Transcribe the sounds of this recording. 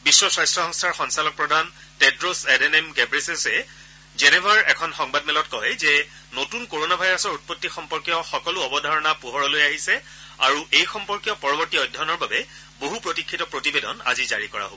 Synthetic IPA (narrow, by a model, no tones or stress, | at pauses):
bisːɔsɹajstɹɔɦɔŋstʰaɹxɔŋsalɔk̚pɹɔdʱan | tɛdɹosɛdɛnɛmɡɛbɹesesɛ | zɛnɛbʱaɹɛkʰɔnxɔŋbadmɛlɔtkɔjzɛ | notunkoɹonabʱajɹasɔɹut̚pɔtːixɔmpɔɹkjɔxɔkɔlʊɔbɔdʱaɹɔnapuɦɔɹɔlojaɦisɛ | a̰ɹuʔejxɔmpɔɹkjɔpɔɹɔbɔɹtiɔjdʱɔnɔɹbabɛ | boɦupɹotikʰːitɔpɹotibedɔ̰na̰ziza̰ɹikɔɹa̰ɦo̰bɔ